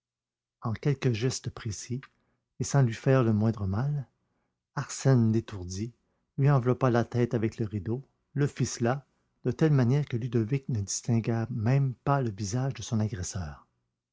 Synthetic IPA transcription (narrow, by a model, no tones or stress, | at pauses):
ɑ̃kʲɛlkəʒɛst̪əpχesi | esɑ̃lɥifɛːʁləmwɛ̃d̪ʁəmal | aʁsɛnd̪et̪uʁd̪i | lɥiɑ̃vlɔpalat̪ɛt̪avɛkləʁid̪o | ləfisla | d̪̥ət̪ɛlmanjɛːʁkəlyd̪ɔviknəd̪ist̪ɛ̃ɡamɛ̃mpaləvizaʒd̪əsɔ̃naɡʁɛsœːʁ